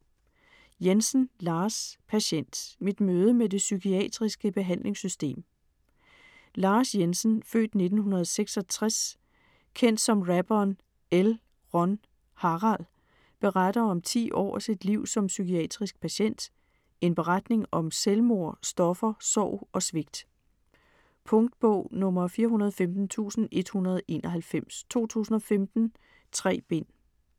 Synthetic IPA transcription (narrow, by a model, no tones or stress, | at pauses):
jensn̩lɑ̈ːspʰæɕen̰d̥mid̥møːð̞ˠəmede̝sykʰiɛ̰d̥ʁisɡ̥əb̥e̝ɦæn̰lʔe̝ŋsysd̥e̝̰ːm | lɑ̈ːsjensən̩fø̰ːd̥ne̝d̥n̩hunɐð̞̩ˠseɡ̥sɒ̽t͡sʰʁas | kʰen̰d̥sɒ̽mʁæb̥ɒn | el | ʁɒ̽n | hɑ̈ʁɑl | b̥e̝ʁɑd̥ɐɒ̽mt͡sʰḭːʔɒ̰ːsid̥liʊ̰sɒ̽msykʰiɛ̰ːd̥ʁisɡ̥̚pʰæɕen̰d̥ | e̝nb̥e̝ʁad̥ne̝ŋɒ̽mselmo̝ɐ̰sd̥ɒ̽fɐsɒʊ̰ɒ̽sʋe̝ɡ̥̚d̥ | pʰɔ̽ŋd̥b̥ɔ̰ʊ̰nɔ̽mɐfiːɐɦunɐð̞̩ˠfemd̥n̩t͡sʰṵːsn̩e̝d̥hunɐð̞̩ˠʔe̝ːnʔɒɦælfem̰st͡sʰo̝̰ːt͡sʰṵːsn̩ɒ̽femd̥n̩ | t͡sʰʁɛ̰ːb̥e̝n̰